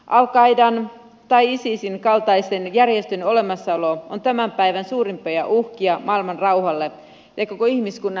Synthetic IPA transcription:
ʔɑlkɑidɑn | t̪ɑiisisinkɑlt̪ɑisenjærjest̪øno̞le̞mɑsːɑolo̞ont̪æmæmpæjʋænsuːɾimpojɑʔuhkiɑmɑːilmɑnrɑwhɑlːe | jɑkokoihmiskunːɑ

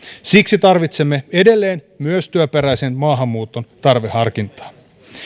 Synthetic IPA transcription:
siksit̪ɑrʋit̪se̞mːe̞e̞de̞lːe̞ːn | myøst̪yøpeɾæjsenmɑːɦɑmːuːt̪o̞nt̪ɑrʋehɑrkint̪ɑ̥ː

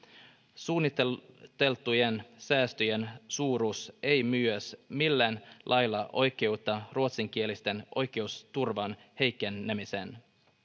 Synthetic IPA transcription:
suːnːit̪et̪e̞lt̪uje̞nsæːst̪øje̞nsuːɾuse̞jmyøsmilːænlʔɑjlːɑʔo̞jk̟e̞ut̪ːɑruot̪siŋk̟ie̞list̪e̞nʔo̞jk̟e̞ust̪urʋɑnhe̞jkːe̞nːemise̞̰n

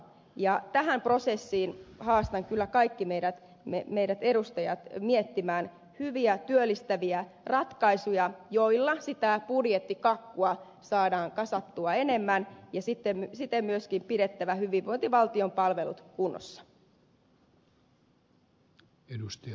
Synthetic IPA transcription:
jɑt̪æɦæmpro̞sesːiːnhɑːst̪ɑŋkylːækɑikːimejɾæt̪ | memejɾæt̪e̞ɾust̪ɑjɑt̪miet̪ːimæːn | hyʋiæt̪yølːist̪æʋiæ | rɑt̪kɑisujɑjo̞ilːɑsit̪æpudjet̪ːikɑkːuɑ | sɑːdɑːŋkɑsɑt̪ːuɑene̞mːænjɑsit̪ːemsit̪emmyøskimpiɾe̞t̪ːæʋæhyʋiʋʋoijnt̪iʋɑlt̪io̞mpɑlʋe̞lṵt̪kunːo̰sːɑ̥ | edust̪ɑ

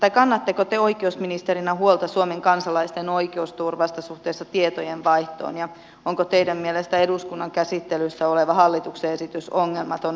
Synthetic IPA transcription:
t̪ɑikɑnːɑt̪ːekot̪eoikeusminist̪eɾinɑɦuolt̪ɑsuomeŋkɑnsɑlɑist̪enoikeust̪urʋɑst̪ɑsuht̪eːsːɑt̪iet̪ojenʋɑiht̪o̰ːnjɑ | oŋkot̪eidæmmielest̪æeduskunːɑŋkæsit̪ːelysːæoleʋɑhɑlːit̪ukseesit̪ysoŋːelmɑt̪on

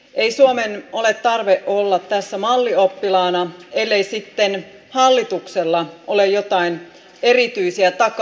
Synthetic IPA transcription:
ʔe̞ijsuomenole̞t̪tɑrʋeʔʔolːɑt̪tæsːæmɑlːio̞pːilɑːnɑelːeisit̪ːen | hɑlːit̪ukselːɑʔolejjo̞t̪ɑin | e̞rit̪yisiæt̪ɑk

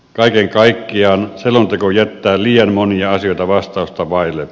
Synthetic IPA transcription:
kɑˑikeŋkɑikːiɑːnselont̪ekojæt̪ːæːliːɑnmoniɑɑsijoˑit̪ɑʋɑst̪ɑˑust̪ɑʋɑˑile

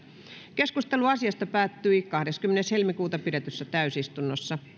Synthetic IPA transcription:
keskust̪eluɑsiɑst̪ɑpæːt̪ːyikɑhdeskymːeneshelmikuːt̪ɑpiɾet̪øsːæt̪æysist̪unːosːɑ

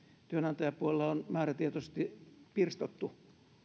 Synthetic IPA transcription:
t̪yønɑnt̪ɑjɑpuolelːɑonmæːræt̪iet̪osst̪ipirst̪ot̪ːu

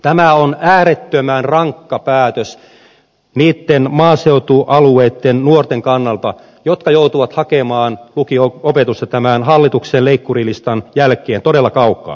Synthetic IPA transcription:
t̪æmæonæːɾet̪ːømæːnrɑŋkːɑpæːt̪øs | niːt̪ːenmɑːseut̪uʔɑlueit̪ːennuort̪eŋkɑnːɑlt̪ɑ | jot̪kɑjout̪uʋɑt̪hɑkemɑːnlukioopet̪ust̪ɑt̪æmænɦɑlːit̪ukseːlleikːurilist̪ɑnjælkˑeːnt̪odelːɑkɑukːˑɑ̰ː

